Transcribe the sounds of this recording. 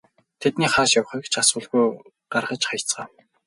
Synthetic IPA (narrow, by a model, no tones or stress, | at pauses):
t̪ʰet̪niːχaːʃjaw̆χĭkt͡ɕʰasʊːɮɣuj | ɢ̥arʁə̆t͡ɕχaj̆ʰt͡sɢaː